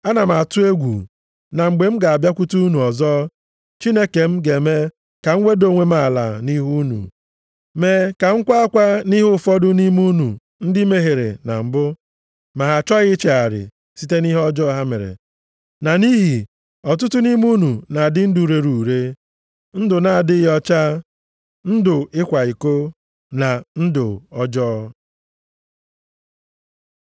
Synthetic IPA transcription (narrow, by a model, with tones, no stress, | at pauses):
a˦na˨m˨a˨tʊ˦e˦ɡʷṵ˨ | na˨ŋ͡m̩˨ɡ͡be˨m̩˦ɡa˨a˨bja˦kʷu˦tu˦u˦nu˨ɔ˨zɔ˦ | t͡ʃi˦ne˦ke˨m̩˦ɡe˨me˦ | ka˨ŋ̩˦ŋʷe˦do˨ŋʷe˦m˦a˦˨la̰˨ni˦ɦu˦nṵ˨ | me˨ka˨ŋ̩˦kʷa˦a˦kʷa˦ni˦ɦʊ˦fɔ˦dʊ˦ni˦mu˦nu˨ | n̩˦dɪ˦me˦ɦe˨ɾḛ˨na̰˨m̩˨bʊ˦ | ma˨ɦa˨t͡ʃɔ˦ɣɪ˦t͡ʃe˨a˨ɾɪ̰˨ | si˦te˦ni˦ɦɔ˦d͡ʒɔ˦ɦa˦mḛ˨ɾḛ˨ | na˨ni˦ɦi˨ | ɔ˨tʊ˦tʊ˦ni˦mu˦nu˨na˨dɪ˦n̩˦du˨ɾe˨ɾu˨ɾe˦ | n̩˦dʊ˨na˨dɪ˦ɣɔ˦t͡ʃa˦ | n̩˦dʊ˨ɪ˦kʷa˨i˨ko˦ | na˨n̩˦dʊ˨ɔ˦d͡ʒɔ˦